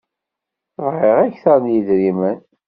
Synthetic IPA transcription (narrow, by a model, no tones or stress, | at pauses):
θəvʁeʁæçθænjid̪ɾimən